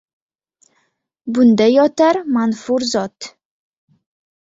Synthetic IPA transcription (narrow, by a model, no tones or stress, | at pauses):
bʊnd̪ajɒt̪aɾmanfuɾzɒt̪